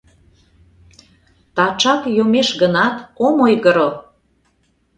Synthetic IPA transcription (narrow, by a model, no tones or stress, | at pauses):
t̪ɑt͡ʃɑkjomeʃɣənɑt̪omojɣə̆ɾo